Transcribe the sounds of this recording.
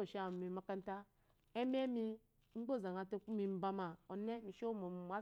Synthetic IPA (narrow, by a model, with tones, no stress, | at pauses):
o˦˨ʃa˦˨mi˨ma˦ka˦n˦ta˦ | e˦m˦e˦mi˦ | ŋ͡m̩˦ɡ͡bo˦˨za˨ŋa˨te˦ku˦mi˨˦m̩˦ba˦ma˨o˨ne˦mi˨ʃo˦mo˨m˨m˨a˦